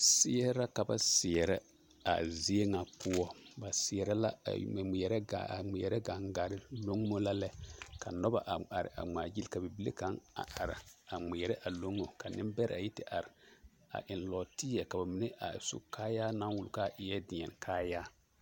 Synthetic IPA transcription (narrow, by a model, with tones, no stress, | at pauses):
sɪ˦ɛ˦la˦ka˨ba˦sɪ˨ɛ˨ɾɛ˦ | a̰˨zi˦e˦ŋa˨pʊ˦wɔ˦ba˨sɪ˨ɛ˨ɾɛ˦la̰˦˨mɪ˨ɛ˨ɾɛ˦ɡa̰˨ŋ͡mɪ˨jɛ˨ɾɛ˦ɡa˨ŋɡaː˨ɾɪ˦lo˦ŋ˦mo˦la˦lɛ˦ka˨nɔ˦ba˨ʔa˨a˨ɾɪ̰˨a̰˨ŋ͡maː˨d͡ʒi˦lka˨bɛ˨bi˦lḛ˦ka˦ŋa̰˨ʔa˨ɾɪ̰˨a˨ŋ͡mɪ˨jɛ˨ɾɛ˦ʔa˨lo˦ŋːo˨ka˨nɪ̰˦mbɛ˦ɾa˨ji˦tɪ˨ʔa˨ɾɪ˨ | a̰˨ʔɪ˨nlɔ˨ti˦jɛ˨ka˨ba˨mi˨˦ne˦ʔa̰˨sʊ̰˦kaː˦jaː˦nã˦wʊ˨lka˦˨ʔɪ˨jɛ˦dɪ˨ɲɛ̰˨n˨kʰaː˦jaː˦